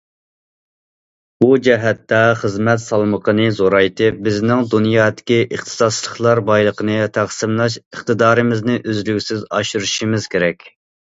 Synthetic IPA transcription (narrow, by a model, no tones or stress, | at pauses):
bud͡ʒɛɦɛt̪ːɛχəzmɛt̪sɑlˠməqʰənɨzoɾɑjt̪ʰɪp̚bɪznɪŋd̪unjɑːd̪ɪ̥kʲiʔəχt̪ʰɨ̥sɑd̪t͡ʃlˠəχlˠɑɾbɑjlˠəqənɨt̪ʰæχsɨmlˠɑʃəχt̪ɨd̪ɑːɾɨmɪznɨʔøzlykʲsɪzɑ̰ʃuɾuʃimɪz̥kʲʰeɾɛkʲ